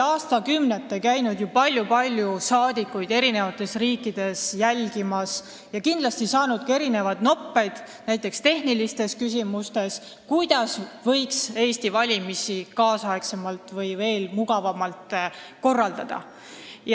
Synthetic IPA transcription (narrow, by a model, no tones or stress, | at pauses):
ɑːst̪ɑkymnet̪ːˑekæjnud̪jupɑlʲjupɑlʲjusɑːd̪̥ikːˑujd̪e̞ɾine̞vɑt̪ːˑe̞sriːkːˑid̪̥e̞sjælɡ̥imɑs | jɑkind̪lɑst̪isɑːnud̪̥̚kɑe̞ɾine̞vɑd̪no̞pːe̞jd̪̥ | næjt̪ːˑe̞kst̪e̞hnilist̪e̞skys̬ʲimust̪e̞s | kujd̪̥ɑsvɤ̞jkse̞ːst̪ivɑlʲimisikɑːsɑekse̞mɑlt̪ˑvɤjve̞ːlmuɡ̥ɑvɑmɑlt̪ko̞rːɑld̪̥ɑd̪̥ɑ̰ | j